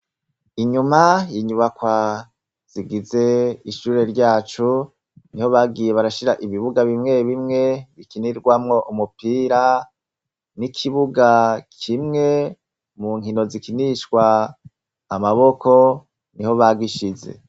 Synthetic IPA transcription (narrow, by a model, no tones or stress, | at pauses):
iɲumajiɲuβakwa | z̥iɡize̞iʃuːɾe̞ɾɟaːt͡ʃu | niho̞βaːɡɡiːje̞βaɾaʃiɾaʔiβiβuɡaβimŋe̞βimŋe̞βikiniɾɡwamŋo̞ʔumupiːɾa | nikʰiβuɡakʰimŋe̞ | muŋɦino̞zikiniʃɡwaː | maβo̞kʰo̞ | niɦo̞βaːɡiʃize̞̰